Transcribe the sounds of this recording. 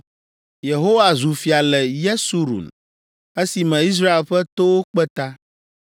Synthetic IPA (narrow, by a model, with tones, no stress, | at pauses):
je˨ɦo˦wa˨zu˨fi˨a˨lɛ˨je˦su˦ɾṵ˨n | e˦si˨mɛ̃˨i˦s̬ɾa˦e˨lɸɛ˦t̪o˦wo˦k͡pɛ˦t̪a˦